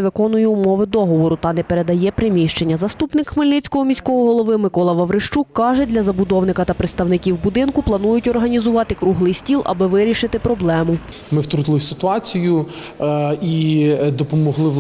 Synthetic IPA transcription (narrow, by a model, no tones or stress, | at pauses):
ʋɪkɔnʊjɛːmɔʋɪd̪ɔɦɔʋɔɾʊt̪ɐnɛpeɾe̞d̪ɐjɛpɾɪmʲiʃt͡ʃe̞nʲːɐzɐst̪upnɪkxmɪlʲnɪt͡sʲkɔɦɔmʲisʲkɔɦɔɦɔlˠɔʋɪmɪkɔlˠɐʋɐwɾɪʃt͡ʃukːɑʒɛdʲlʲɐzɐbʊd̪ɔwnɪkɐt̪ɐpɾet̪st̪ɐwnɪkʲiwbʊd̪ɪnkʊplˠɐnujʊtʲɔrɦɐnʲizʊʋɑt̪ɪkɾuɦlˠɪjsʲtʲilˠʔɐ̰bɪʋɪɾʲiʃɪt̪ɪpɾɔblˠɛmʊ | mɪwt̪ɾut̪ɪlˠɪsʲɪt̪ʊɑt͡sʲijʊ | id̪ɔpɔmɔɦlˠɪ